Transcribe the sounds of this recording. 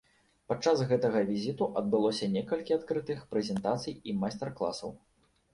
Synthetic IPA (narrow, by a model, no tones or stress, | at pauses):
pat͡ʂːasɣɛt̪ɐɣɐvʲizʲit̪uʔɐd̪̚bɨlˠɔsʲɐnʲɛkɐlʲkʲiat̪kɾɨt̪ɨxpɾɛzʲɛnt̪at̪sɨjimast̪ɛrklˠa̰sɐ̰w